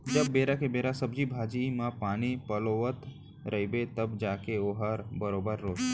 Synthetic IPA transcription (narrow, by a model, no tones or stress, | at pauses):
d͡ʒəbːeɾakebeɾasəbd͡ʒibʱad͡ʒimãpaɽ̃ipəloʋət̪ | ɾʔəibet̪əbd͡ʒakeoɦaɾbəɾobəɾːoːd͡ʒ